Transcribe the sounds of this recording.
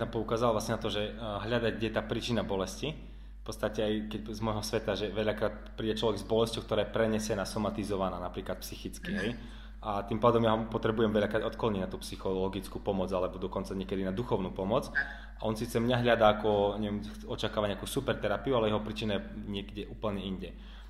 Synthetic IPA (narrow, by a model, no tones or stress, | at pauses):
t̪ampɔukaːzalvlasɲɛnat̪ɔʒɛɦʎad̪aɟɡɟɛjɛt̪aːpɾiːt͡ʃinabɔlɛsci | fpɔt͡st̪acɛajkɛczmɔjɦɔsʋɛt̪aʒɛʋɛʎakɾaːt̪pɾiːɟɛt͡ʃlɔʋɛɡzbɔlɛscɔʊkt̪ɔɾaːjɛpɾɛɲɛsɛnaːsɔmat̪izɔʋanaːnapɾiːklat̪̚psixit͡skiɦɛj | ʔat̪impaːd̪ɔmjaɦɔpɔt̪ɾɛbujɛmʋɛʎakɾaːd̪ɔt̪kɔlɲɛnat̪uːpsixɔlɔɡit͡skuːpɔmɔd͡zalɛbɔd̪ɔkɔnt͡saɲɪɛkɛd̪inad̪uxɔʊnuːpɔmɔt͡s | ʔaʔɔnsiːt͡sɛmɲɛɦʎad̪aːkɔɲɛʋɛm | ɔt͡ʃakaːʋaɲɛakuːsupɛɾt̪ɛɾapiualɛjɛɦɔpɾiːt͡ʃinajɛɲɪɛɡɟɛʔuːpl̩ɲɛiɲɟɛ